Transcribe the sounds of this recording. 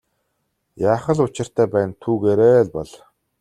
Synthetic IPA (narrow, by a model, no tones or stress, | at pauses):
jaːχə̆ɮʊt͡ɕɪ̆r̥t̪ʰæːpæːnt̪ʰuːɣeːɾeːɮpɔɮ